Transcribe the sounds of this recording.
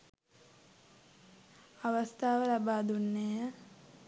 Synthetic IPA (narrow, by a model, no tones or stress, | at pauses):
aʋast̪ʰaːʋəlabaːd̪unːeːjə